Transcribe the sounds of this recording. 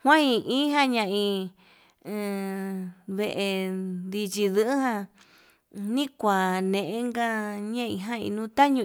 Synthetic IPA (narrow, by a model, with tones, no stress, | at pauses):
hw̃ã˦ĩ˧ʔĩ˦ɦã˦ɲã˧ʔĩ˧ | βe˧ʔe˧d̪i˧t͡ʃi˧ðɨ˧˦ɨ˦ɦã˧ | nĩ˦kʷa˨nẽ˨ʔẽ˦ŋɡa˦ɲã˦ḭ̃˧ɦã˦ḭ̃˧nũː˧˦t̪a˦ɲũ˧